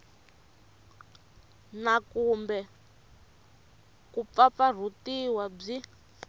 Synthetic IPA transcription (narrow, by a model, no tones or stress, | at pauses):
nakumbɛ | kup̪fap̪far̤utiwab͡ʐi